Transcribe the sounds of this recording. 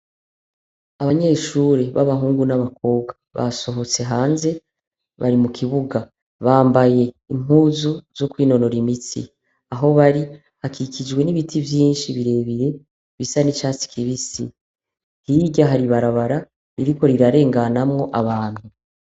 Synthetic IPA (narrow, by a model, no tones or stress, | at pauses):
aβaɲe̞ːʃuːɾe̞βaβaɦuːŋɡunaβakʰo̞ːbɡaβa̰so̞ɦo̞t͡se̞ɦaːnze̞ | βaɾimukʰiβuɡa | βaːmbaje̞ | im̥uːzuz̥o̞kwiːno̞no̞ɾimit͡sḭ | aɦo̞βaɾi | hakikid͡ʒwe̞niβitʰivjiːnʃiβiɾe̞βiɾe̞ | βisanit͡ʃaːt͡si̥kʰiβisḭ | hiɟaɦaɾiβaɾaβaɾa | iɾiko̞ɾiɾaɾe̞ːŋɡanamŋo̞ʔaβaːnhu